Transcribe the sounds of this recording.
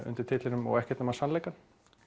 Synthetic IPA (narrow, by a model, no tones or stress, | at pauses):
ʏ̰nt̪ɪɾt̪ʰɪt̪lɪnʏmɔ̰ɣɛhcɛt̪namasanlejkan